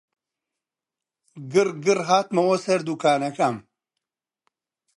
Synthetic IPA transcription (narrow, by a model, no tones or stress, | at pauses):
ɡɨrɡɨrɦaːt̪mɐwɐsɐɾd̪ukaːnɐkam